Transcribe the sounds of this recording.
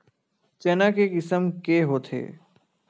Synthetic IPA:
t͡ʃɛːnakekɪsəmkeɦoːt̪ʰḛː

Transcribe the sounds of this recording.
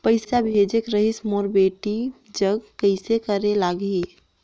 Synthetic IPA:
pəɪsabʱed͡ʒekɾəɦismoɾbeːʈi | d͡ʒəɡkəɪsekəɾelaɡi

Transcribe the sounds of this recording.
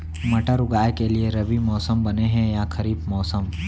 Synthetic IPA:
mɐʈəɾʊɡaːekelieɾɐbimɔːsəmbɐneɦɛ̃jaxʰɐɾiːbmɔːsəm

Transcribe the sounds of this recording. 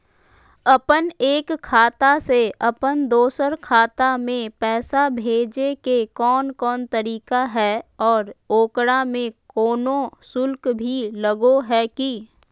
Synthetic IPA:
ɐpəneːkkʰːaːt̪aseɐpənd̪oːsəɾkʰaːt̪amẽpɛːsabʱeːd͡ʒekekɔːnkɔːnt̪əɾiːkaɦɛɔːɾoːkɽamẽkɔːnõsʊlkbʱiləɡoɦɛki

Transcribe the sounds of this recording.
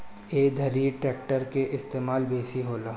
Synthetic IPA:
eːd̪ʱɐɾiʈɾɛːk̚ʈəɾkeʔɪst̪eːmaːlbeːsiɦoːlaː

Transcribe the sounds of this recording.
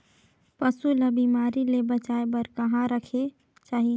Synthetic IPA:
pəsuləbimaɾilebət͡ʃaebəɾkəɦãɾəkʰe | t͡ʃaːɦi

